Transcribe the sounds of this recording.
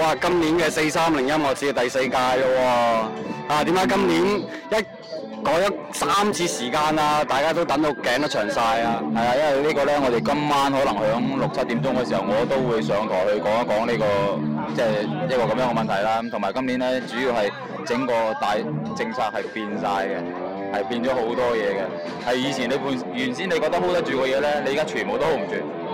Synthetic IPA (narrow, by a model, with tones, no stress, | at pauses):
waː˨˧kɐ˥mniː˨˥nkɛː˧se˧jsaː˥mlɪ˨˩ŋjɐ˥mŋɔː˨˧t͡sʰiː˧t̪ɐ˨jse˧jkaː˧jlɔ˧wɔː˧ | aː˧t̪iː˨˥mkaː˨˥jkɐ˥mniː˨˥n | jɐ˥t̚ | kɔː˨˥ŋjɔ˨˥ | saː˥mt͡sʰiː˧siː˨˩kaː˧naː˧t̪aː˨jkaː˥t̪o˥wt̪ɐ˨˥ŋt̪o˨˧wkɛː˨˥ŋnt̪ɐ˥t͡ʃʰœː˨˩ŋsaː˧jaː˧hɐ˨jaː˧jɐ˥nwɐ˨jliː˥kɔː˧lɛː˥ŋɔː˨˧ɾe˨jkɐ˥mːaː˥nhɔː˨˥lɐ˨˩ŋhœː˨˥ŋlʊ˨k̚t͡sʰɐ˥t̚t̪ːiː˨˥mt͡sʊ˥ŋkɛː˧s̬iː˨˩hɐ˨˩wŋɔː˨˧t̪o˥wwuː˨˧jsœː˨˧˥ŋt̪ʰɔː˨˩hɵ˧ɥkɔː˨˥ŋa˥kɔː˨˥ŋniː˥kɔː˧t͡sɛː˥˩jɐ˥t̚kɔː˧kɐ˨˥mjœː˨˧˥ŋɛ˧mɐ˨nt̪ʰɐ˨˩jlaː˥˦˥mt̪ʰʊ˨˩maː˨˩jkɐ˥mliː˨˥nlɛː˥t͡syː˨˥jiː˧whɐ˨j | t͡sɪ˨˥ŋkɔː˧t̪aː˨jt͡sɪ˧ŋt͡sʰaː˧k̚hɐ˨jpiː˧nsaː˧jkɛ˧ | hɐ˨jpiː˧nt͡ʃɔː˨˥ho˨˥wt̪ɔː˥˧jɛː˨˧kɛ˧ | hɐ˨jjiː˨˧t͡sʰiː˨˩nle˨˧jpuː˧˩njyː˨˩nsiː˥ne˧kɔ˧k̚t̪̚ɦo˨˥wt̪ɐ˥t͡ʃyː˧kɔː˧jɛː˨˧lɛː˥le˧jiː˨kaː˥t͡ʃʰyː˨˩nbo˨wt̪o˥ho˨˥wm̩˨˩t͡ʃyː˨